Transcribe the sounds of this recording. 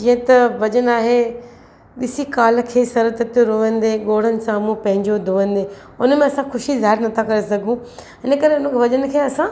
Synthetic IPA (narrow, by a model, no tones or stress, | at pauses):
d͡ʑĩɦə̃t̪ɐʋɐʄənaːɦe | ɗɪsikaːl̆kʰeːsɐɾət̪ɐt̪joɾoːʋə̃nd̪eɠoːɽ̤ənɪ̆sãmũpɐ̃ɦɪ̃ɲd͡ʑod̪ʱoːʋə̃nd̪eː | ʊnmẽɐsãxʊʃizaːɦɪɾnɐt̪ʰakɐɾesɐɡʱũ | ɪnə̆kɐɾeʊnəkʰʋɐʄənɪ̆kʰeːɐsã